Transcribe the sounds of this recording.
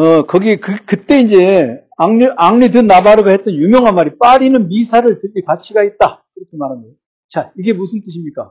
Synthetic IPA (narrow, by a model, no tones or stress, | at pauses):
ʌkʌɡikɯkɯt͈e̞ind͡ʑe̞ | aŋʔaŋnit̬ɯnːabaɾɯɡahe̞t̚t͈ʌnjumjʌŋɦanmaɾip͈aɾinɯnmisʰaɾɯɭtɯɡikat͡ɕʰiɡait̚t͈akiɾʌkʰe̞maɾɦandejo | t͡ɕaiɡe̞musʰɯnt͈ɯɕʰimɲik͈a